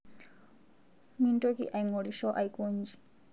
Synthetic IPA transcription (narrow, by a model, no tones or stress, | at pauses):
mintʼokḭʔaiŋɔɾiʃɔʔajkʼund͡ʒi̥